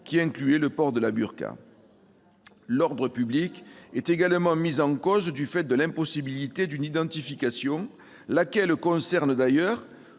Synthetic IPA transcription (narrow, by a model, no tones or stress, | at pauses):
kʲiɛ̃ŋklyɛləpɔʁd̪əlaby̰ʁka̰ | lɔʁd̪ʁəpyblikɛt̪eɡalmɑ̃mizɑ̃kɔzd̪yfɛt̪̚d̪əlɛ̃mpɔsibilit̪ed̪ynid̪ɑ̃t̪ifikasjɔ̃ | lakɛlkɔ̃sɛʁnəd̪ajœʁ